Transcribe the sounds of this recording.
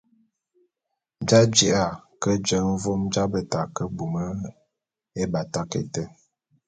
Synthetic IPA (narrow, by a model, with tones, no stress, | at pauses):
d͡ʒa˦d͡ʒi˦ʔa˦˨kə˦d͡ʒə˨˦n̩˦vo˦md͡ʒa˦bə˨ta˨kə˦bu˨mə˦ | e˦ba˨ta˦kḛ˨tə˦